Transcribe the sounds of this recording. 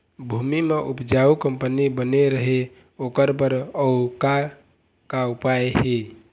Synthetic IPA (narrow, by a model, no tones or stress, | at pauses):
bʱumimeʔupd͡ʒaukəmpənibəneɾəɦe | oːkəɾp̬əɾəʊka | kaupajeɦe